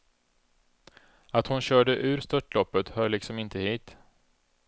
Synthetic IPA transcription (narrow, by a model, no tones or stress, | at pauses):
at̪hʊnɕœːɖəʔʉ̟ːɾst̪œʈːlɔpːət̪hœːɭɪksɔmɪnt̪əhiːt̪